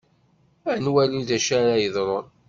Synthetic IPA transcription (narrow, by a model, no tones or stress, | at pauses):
ænwæluðæʃaɾajəðˤɾˤoɾ